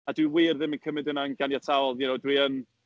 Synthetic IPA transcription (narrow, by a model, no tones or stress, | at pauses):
adwiwiːrðɪmənkʰəmɨdənanɡanjatʰaɔlˠjənowdwiən